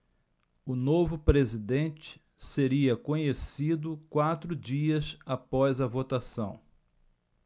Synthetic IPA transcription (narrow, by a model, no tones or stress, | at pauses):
ʊnovʊpɾezid̪ẽnt͡ʃɪ̥ | seɾiɐkõɲesid̪ʊkwat̪ɾʊd͡ʒiɐsapɔjzɐvot̪asɐ̰̃w̃